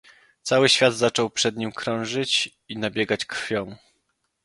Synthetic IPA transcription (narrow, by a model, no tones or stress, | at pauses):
t̪sawɘɕfʲjad̪zat͡ʂɔwpʂɛd̪ɲimkɾɔ̃w̃ʐɘt͡ɕ | inabʲjɛɡat͡ɕkɾfʲjɔ̃w̃